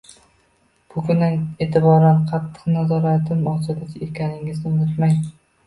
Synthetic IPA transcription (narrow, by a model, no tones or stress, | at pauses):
b̥ʊkʲʰʊnaneːt̪ʰɪbɒɾanqʰɑt̪ʰːɨ̥qnazɒɾat̪ʰɪmɒt͡ʃʰad̪akʲʰekʲʰanɪŋɪznɪbʊt̪maj